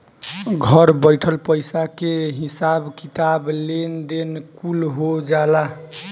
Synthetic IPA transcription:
ɡʱəɾbəɪʈʰəlpəjsakeɦisabkit̪ablend̪enkulɦod͡ʒala

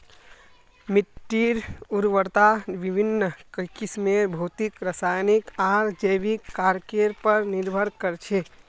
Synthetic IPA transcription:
miʈːiɾuɾʋəɾt̪aʋibʱinːəkəkismebʱuːt̪ikɾəsaːjnikaːɾd͡ʒəjʋikːaːɾkeɾpəɾnɪɾbʱəɾkəɾt͡ʃʰe

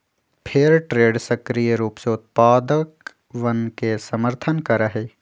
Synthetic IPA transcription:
pʰɪɾʈɾeːɖsɐkɾijəɾuːpseʊt̪̚paːd̪ək | ʋɐnkesɐməɾt̪ʰənkɐɾəɦeː

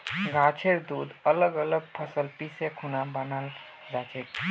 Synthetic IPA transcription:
ɡʱat͡ʃʰeɾd̪uːd̪ələɡələɡ̚pʰəsəlpisekʰunabənal | d͡zat͡ʃet̪

